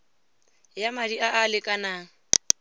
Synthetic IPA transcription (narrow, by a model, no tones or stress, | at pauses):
jamadiaʔalɪkʼanaːŋ̩